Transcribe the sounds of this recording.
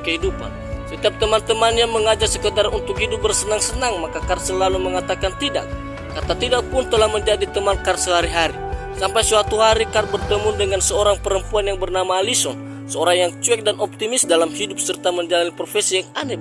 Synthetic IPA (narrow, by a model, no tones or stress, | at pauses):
kəɦidupa̰n | sət̪iap̚t̪əmant̪əmanɲaməŋad͡ʒasəkədarunt̪ʊkhidʊp̚bərsənaŋsənaŋmakakarsəlːaluməŋat̪akant̪ida̰k̚ː | at̪at̪idak̚pʊnt̪əlahməɲd͡ʒadit̪əmankarsəɦaɾiɦaɾisampajsəwat̪uɦaɾikar̚bərt̪əmʊndəŋansəoɾaŋpəɾəmpuanjaŋbərnamaːlisɔn | səoɾaŋjaŋt͡ʃuɛk̚danʔɔp̚t̪imɪsdalamhidʊp̚sərt̪aməɲd͡ʒalanipɾofesijaŋanə